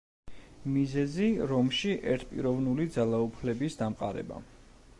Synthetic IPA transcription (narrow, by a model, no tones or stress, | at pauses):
mizɛziɾɔmʃiʔɛɾt̪ʰpʼḭɾɔvnulid̪zalˠaupʰlɛbisd̪amqʼa̰ɾɛ̰ba̰